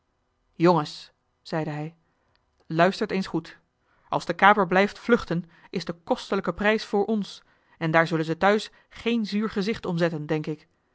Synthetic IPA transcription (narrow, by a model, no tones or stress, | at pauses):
jɔŋəs | z̥ɛjdəɦɛj | lœɥstəɹtejnsχut | ʔɑ̰lˠzdəkaːpəɹblɛjftflɵχtən | ʔɪzdəkɔstələkəprɛjsfʊːɹʔɔns | ɛndaːɹzɵlənzətœɥs | χejnzyːɹχəzɪχtɔmzɛtəndɛŋkɪk